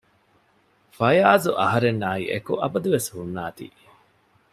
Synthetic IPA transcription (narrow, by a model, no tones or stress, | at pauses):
fɐjaːzuʔɐɦɐɾenːaːḭːʔekuʔɐbɐd̪uʋeshunːaːt̪ḭː